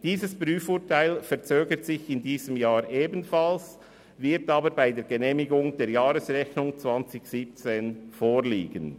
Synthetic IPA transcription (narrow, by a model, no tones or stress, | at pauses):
d̥iːzəspʁyːfuːtʰaɪlfɛɐt͡søːɡətsɪçɪndiːzəmjaːɾʔeːbənfals | vɪtaːbəɾbaɪdeːɾɡəneːmɪɡʊŋd̥eːɾjaːɾəsʁɛçnʊŋt͡svant͡sɪçsiːp̚t͡seːnfoːɾliːɡən